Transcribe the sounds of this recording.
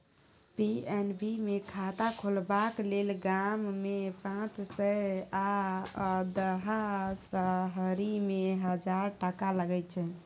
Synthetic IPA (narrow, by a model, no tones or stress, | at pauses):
piɛnbimekʰat̪akʰolbaklelɡamːepãt͡ʃsəa | d̪əɦasəɦəɾimeɦəd͡ʒaɾʈəkaləɡɛt͡ʃʰɛ